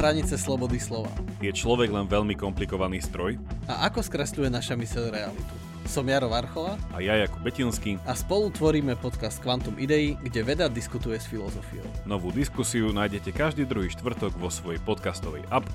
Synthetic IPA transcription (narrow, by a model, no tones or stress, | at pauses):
ɦɾaɲit͡sɛslɔbɔd̪islɔʋa̰jɛt͡ʃlɔʋɛɡlɛnʋɛʎmikɔmplikɔʋaniːst̪ɾɔja̰ʔakɔskɾɛsʎujɛnaʃamisɛʎɾɛalit̪u̥ | sɔmjaɾɔʋaɾxɔʋaʔa̰jajakubɛcinskiaspɔlut̪ʋɔɾiːmɛpɔt̪kast̪kʋant̪umid̪ɛiɡɟɛʋɛd̪ad̪iskut̪ujɛsfilɔzɔfḭjɔʊnɔʋuːd̪iskusiunajɟɛcɛkaʒd̪iːd̪ɾuɦiːʃt̪ʋr̩t̪ɔɡʋɔsʋɔjɛpɔt̪kast̪ɔʋɛ̰jʔap